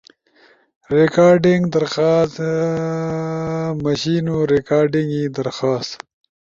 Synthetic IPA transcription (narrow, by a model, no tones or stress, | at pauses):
ɾekaːɾɖɪŋɡd̪ɐɾxaː | mɐʃiːnoɾekaːɾɖɪŋɡid̪ɐɾxaːst̪